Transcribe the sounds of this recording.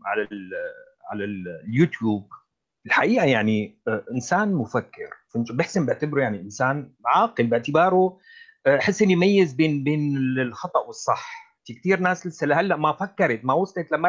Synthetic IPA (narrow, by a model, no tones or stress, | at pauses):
ʕa̰lal | ʕa̰lalljuːt̪juːb̚ | ɪlħaʔiːʔajaʕniʔɪnsaːnmʊfakːɪ̰ɾfɪnt̪bɪħsɪmbɪʕt̪ɪbɾujaʕniʔɪnsaːnʕɑːqɪlbɪʕt̪ɪbɑːɾˤu | ʔaħɪsːʔɪnːimajːɪzbeːnbeːnɪlxɑt̪ˤɑʔwɪsˤːɑħ | t̪ik̚t̪iːɾnaːslɪsalahalːaʔmafakːɑɾˤɪt̪mawʊsˤlet̪lamːa